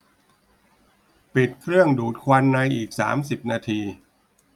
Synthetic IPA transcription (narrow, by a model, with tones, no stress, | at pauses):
pi˨˩t̪̚kʰɾɯ˥˩əŋduː˨˩t̪̚kʰwa˧nːa˧jʔiː˨˩k̚sa̰ː˩˦msi˨˩p̚naː˧t̪ʰiː˧